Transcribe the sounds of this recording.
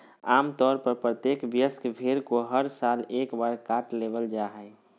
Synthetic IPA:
aːmt̪ɔːɾpəɾpɾət̪jeːkbjəskbʱeɾkoɦəɾsaːleːkbaːɾkaːʈleʋəld͡ʒaɦəj

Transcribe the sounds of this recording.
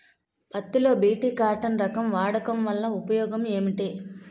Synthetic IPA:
pɐt̪ːilo̞ːbiːʈiːkaːʈɐnɾɐkɐmʋaːɽɐkɐmʋɐlːɐupɐjɔːɡɐme̞ːmiʈeː

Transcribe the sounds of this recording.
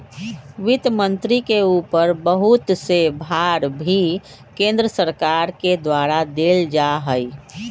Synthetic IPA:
ʋɪt̪mə̃nt̪ɾikeuːpəɾbəɦut̪sebʱaɾbʱi | kẽnd̪ɾəsəɾkaɾked̪waɾad̪eːld͡ʒaɦəi

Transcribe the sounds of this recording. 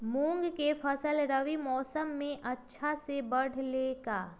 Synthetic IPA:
mũːŋɡkefʰɐsəlɾɐʋimɔːsəmːẽʔɐtːʃʰasebɐɽ̤leːɡaː

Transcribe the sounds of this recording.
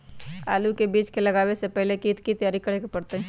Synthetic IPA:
a̰ːlukebiːt͡ʃkeləɡaːwesepɛɦlekiːt̪kit̪əjaːɾikəɽekepəɽt̪eɦɛ

